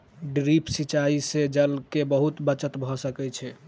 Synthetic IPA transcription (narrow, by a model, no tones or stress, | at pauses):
ɖɾipsit͡ʃaised͡ʒəlkebəɦut̪bət͡ʃət̪bʱɔsəkɛt͡ʃʰɛ